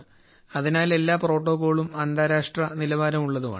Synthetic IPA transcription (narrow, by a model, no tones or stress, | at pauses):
ɐðinaːle̞lːaːpro̞ːʈːo̞ːɣo̞ːɭumɐnd̪aːɾaːʂʈrɐnilɐʋaːɾɐmuɭːɐðuma̰ː